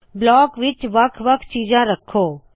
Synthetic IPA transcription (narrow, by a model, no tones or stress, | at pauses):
blɔːkʋɪt͡ʃʋɐkʰʋəkʰt͡ʃiːd͡ʒãːɾəkʰːoː